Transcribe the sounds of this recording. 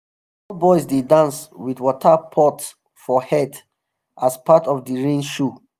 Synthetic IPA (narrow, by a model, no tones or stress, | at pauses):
ɔlbɔɪsdedãnswidwɔtʰəpʰɔts | fɔhɛt | ʔaspatɔvdəɹĩnʃu